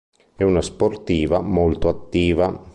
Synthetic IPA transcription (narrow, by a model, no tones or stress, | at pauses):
ɛunasport̪iːvamolt̪oat̪ːiːva